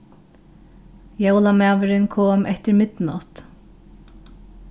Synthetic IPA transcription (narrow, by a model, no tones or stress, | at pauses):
jowlamaːvɪɾɪnkʰoːmʔɛht̪ɪɾmɪt̪nɔ̰t̪